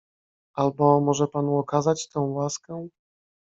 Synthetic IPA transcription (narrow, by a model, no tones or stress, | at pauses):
albɔmɔʐɛpanuɔkazat͡ɕt̪ɛ̃w̃waskɛ